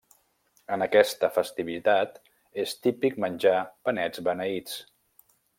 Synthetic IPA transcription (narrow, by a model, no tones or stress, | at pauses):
ənəkɛst̪əfəst̪iβit̪at̪ | est̪ipikmənʲd͡ʒapənɛd͡zβənəit͡s